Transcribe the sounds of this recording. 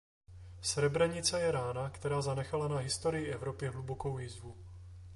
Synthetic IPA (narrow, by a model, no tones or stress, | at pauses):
sɾɛbɾɛɲɪt͡sɛjɛɾaːnakt̪ɛɾaːzanɛxalanaɦɪst̪o̞ɾɪjɪʔɛvɾo̞pjɛɦluboko̞wviːzvu